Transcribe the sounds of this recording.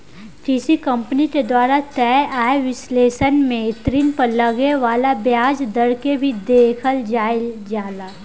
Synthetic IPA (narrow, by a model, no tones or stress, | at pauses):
ʈiːsikɐ̃mpniked̪waːɾat̪ɛʔaːeʋɪsleːʃənmẽɪt̪ɾinpɐɾlɐɡeʋaːlabjaːd͡ʒd̪ɐɽkebʱid̪eːkʰəld͡ʒaːɪld͡ʒaːlaː